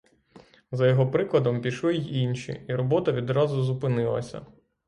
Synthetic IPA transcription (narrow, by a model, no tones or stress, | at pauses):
zɐjɔɦɔpɾɪklˠɐd̪ɔmpʲiʃlˠɪjinʲʃʲḭiɾɔbɔt̪ɐʋʲid̪ɾɑzʊzʊpɪnɪlˠɐ̰sʲɐ̰